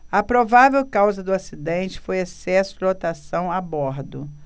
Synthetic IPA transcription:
ɐpɾovavewkawzɐd̪ʊasid̪ẽnt͡ʃɪ̥fojesɛsʊd͡ʒlot̪asɐ̃w̃abɔɾd̪ʊ

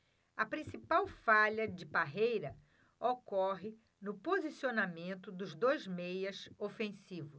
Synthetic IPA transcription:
ɐpɾĩsipawfaʎɐd͡ʒɪpaɦejɾɐ | okɔɦɪ | nʊpozisionamẽnt̪ʊd̪ʊzd̪ojzmejɐsofẽsivʊs

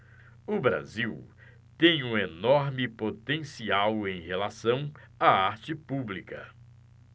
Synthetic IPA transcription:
ʊbɾa̰ziw | t̪ẽj̃ũenɔɾmɪpot̪ẽsiawẽj̃helasɐ̃w̃aaɾt͡ʃɪpublikɐ

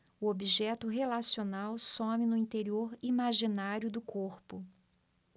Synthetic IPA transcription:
ʊobiʒɛt̪ʊɦelasionawsõmɪnʊĩt̪eɾioɾimaʒinaɾjʊd̪ʊkʰoɾpʊ

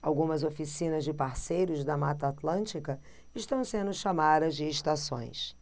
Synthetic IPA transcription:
awɡũmɐzofisĩnɐzd͡ʒɪpaɾsejɾʊzd̪ɐmat̪aːt̪lɐ̃nt͡ʃikɐ | ɪʃt̪ɐ̃w̃sẽnd̪ʊʃamad̪ɐzd͡ʒɪːʃt̪asõ̰j̃s

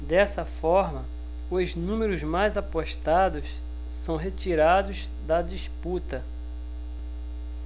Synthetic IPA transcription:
d̪ɛsɐfɔɾmɐ | ʊznũmeɾʊzmajzapoʃt̪ad̪ʊs | sɐ̃w̃ɦet͡ʃiɾad̪ʊz | d̪ɐd͡ʒisput̪ɐ

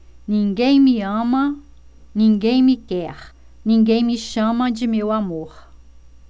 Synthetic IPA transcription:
nĩŋɡẽjmĩãmɐ̃ | nĩŋɡẽjmikɛχ | nĩŋɡejmĩʃɐ̃mɐ̃d͡ʒimewamoχ

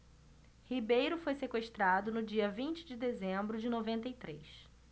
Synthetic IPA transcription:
hibejɾʊfojsekweʃt̪ɾad̪ʊnʊd͡ʒiɐvĩnt͡ʃɪd͡ʒɪd̪ezẽmbɾʊd͡ʒɪnovẽnt̪ɐjt̪ɾejs

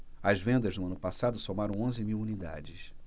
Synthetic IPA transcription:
ɐzvẽnd̪ɐznʊɐ̃nʊpasad̪ʊsomaɾɐ̃w̃õzɪmiwunid̪a̰d͡ʒɪs

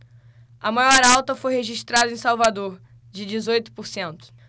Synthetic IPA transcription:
ɐmajɔɾawt̪ɐfojheʒiʃt̪ɾad̪ɐẽj̃sawvad̪oɾ | d͡ʒɪd͡ʒɪzojt̪ʊ̥poɾsẽnt̪ʊ̥

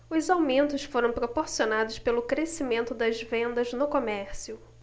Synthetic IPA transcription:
ʊzawmẽnt̪ʊsfoɾɐ̃w̃pɾopoɾsionad̪ʊspelʊkɾesimẽnt̪ʊd̪ɐzvẽnd̪ɐznʊkomɛɾsiʊ

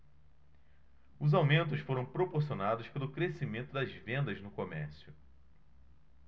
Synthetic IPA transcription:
ʊzawmẽnt̪̬ʊsfoɾɐ̃w̃pɾopoɾsionad̪ʊspelʊkɾesimẽnt̪ʊd̪ɐzvẽnd̪ɐznʊkomɛ̰ɾsjʊ

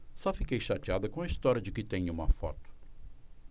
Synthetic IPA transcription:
sɔfikejʃat͡ʃiad̪ɐkõɐist̪ɔɾʲɐd͡ʒɪkɪt̪ẽj̃ũmɐfɔ̰t̪ʊ̥

